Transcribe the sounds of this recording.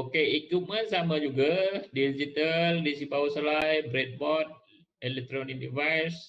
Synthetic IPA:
okeikumãnsamãd͡ʒuɡadid͡ʒit̪aldisibawuslajbɾɛt̪̚bɔt̪̚ | elɛk̚t̪ɾonik̚divajs

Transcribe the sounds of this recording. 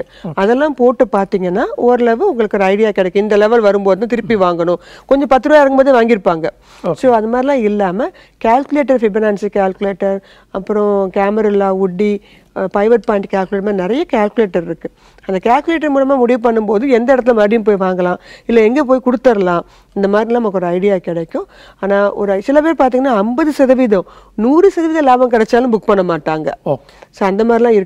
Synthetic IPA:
ɐðɛlːãːpoːʈːɯpaːɾt̪iːŋɡɐnːaːɔɾɯlɛʋɯʊŋɡɐɭɯkːoːɾɐɐɪɽɪjaːkɪɽɛkːʊ̃ɪnd̪ɐlɛʋɐlʋɐɾɯmpoːðɯt̪ãːt̪ɪɾɯpːiʋaːŋɡɐɳʊ̃kɔɲd͡ʒɔ̃pɐt̪ːɯɾɯʋaːɪɾɯŋɡɯmboːðɯʋaːŋɡɪɾɯpːaːŋɡɐ | soːɐnðd̪ɐmaːd̪ɾɪlãːɪlːaːmɐ | kaːlkɯleːʈ̬ːɐɾfɪbɪnɐːnskaːlkɯleːʈːɐɾ | ɐpːɯɾɔ̃kaːmɐɾɐlːãːʊɖːi | pɾɐɪʋɐʈ̚paːɪnʈkʲaːlkɯleːʈmaːnɪɾɐjɐkaːlkɯleːʈːɐɾɪɾɯkːɯ | ɐnd̪ɐkaːlkɯleːʈ̬ːɐɾmuːlɐmaːmʊɽɪʋɯp̬ɐɳːɯmpoːðɯ̃ɛnd̪ɐɛɽɐt̪̬ːɪlɐmɐɽɪjɯmp̬oːjʋaːŋɡɐlãːɪlːɛɛŋɡeːp̬oːjkʊɽɯt̪ːɐɾɐlãː | ɪnd̪ɐmaːd̪ɾɪlãːɐmɐkːɔɾɐɪɽɪjaːkɪɽɐkʲːʊ̃ | aːnaːʔɔ̰ɾɯsɪlɐpeːɾpaːɾt̪̬iŋɡɐnːaːɐmbɐðɯsɐðɐʋɪðɔ̃ | nuːɾɯsɐðɐʋɪðɐ̃laːbɐmk̬ɐɽɛt͡ʃːaːlɯ̃mbʊkːpɐɳːɐmaːʈːaːŋɡɐ̰ | soːɐnd̪ɐmaːd̪ɾilãːɪɾɯ

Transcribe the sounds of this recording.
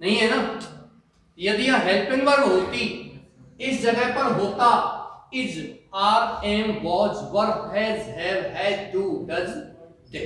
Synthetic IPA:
nəɦĩːɦɛːnaː | jəd̪ɪjãːɦɛːlpɪ̃ŋʋəɾɦoːt̪iː | ɪsd͡ʒəɡɛːpəɾɦoːt̪aːɪd͡ʒaːɾɛːmʋɔːt͡ʃʋəɾfɛːzɦɛːɾɦɛːʈuːɡəz | d̪e

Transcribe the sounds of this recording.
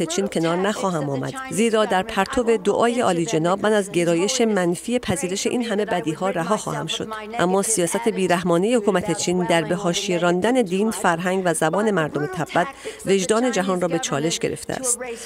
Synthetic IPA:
et͡ʃʰiːncʲʰe̞nɒːɾnæxɒːɦæmɒːmæ̰d̪̥ziːɾɒːd̪æɾpʰæɾt̪ʰo̞ve̞d̪oʔɒːje̞ʔɒːliːd͡ʒe̞nɒːbmænæzɟʲe̞ɾɒːje̞ʃe̞mænfiːepʰæziːɾe̞ʃe̞ʔiːnɦæme̞bæd̪iːɦɒːɾæɦɒːxɒ̰ːhæmʃo̞̰d̪̥ | ʔæmːɒːsijɒːsæt̪ʰe̞biːɾæhmɒːnejehokuːmæt̪ʰe̞t͡ʃʰiːnd̪æɾbe̞ɦɒːʃijeɾɒːnd̪æne̞d̪iːnfæɾɦæŋɡvæzæbɒːne̞mæɾd̪omet̪ʰæbːæt̪ve̞ʒd̪ɒːne̞d͡ʒæɦɒːnrɒːbe̞t͡ʃʰɒːle̞ʃɡ̥e̞ɾʔeft̪eʔæ̰st̪

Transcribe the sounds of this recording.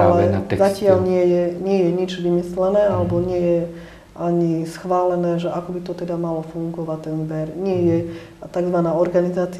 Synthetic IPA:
alɛzacɪalɲɪɛjɛɲɪɛjɛɲid͡ʒʋimislɛnɛːalɛbɔɲɪɛjɛ | ʔaɲisxʋaːlɛnɛːʒɛʔakɔbit̪ɔt̪ɛd̪amalɔfuŋɡɔʋact̪ɛnzbɛɾɲɪɛjɛ | t̪aɡzʋanaːɔɾɡanizaːt͡si

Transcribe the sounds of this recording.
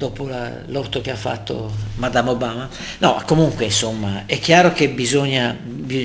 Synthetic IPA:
d̪ɔːpola̰ | lɔt̪ːok̟eafːa̰t̪ːo̰mad̪amobaːma | nɔkːomuŋkweinsomːaɛkːjaːɾokebizɔɲːabi

